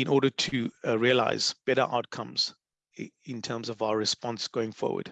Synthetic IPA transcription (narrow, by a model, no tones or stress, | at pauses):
ɪ̃nʔɔɾətʰuɹiəla̰ɪzb̥ɛɾə̰ʔa̰ʊt̚kʰʌ̃mz̥ | ɪ̃ntʰɜːmzɔvaʊəɹɪspɔ̃nsɡ̥oʊɪ̃ŋfɔ̰ːwə̰d̥